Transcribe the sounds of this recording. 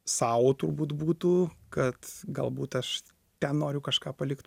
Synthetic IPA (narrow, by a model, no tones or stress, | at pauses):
sɑːwoːt̪ʊrbuːt̪buːt̪uːkɐt̪ɡɐlˠbuːt̪ɐʃ | t̪ʲɛnnoːɾʲʊkɐʃkɑːpɐlʲɪkt̪